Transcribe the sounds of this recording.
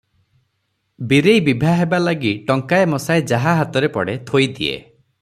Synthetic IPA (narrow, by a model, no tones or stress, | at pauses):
biɾejbibʱaɦebalaɡiʈɔŋkaemɔsaed͡ʒaɦaɦat̪ɔɾepɔ̰ɽet̪ʰojd̪iḛ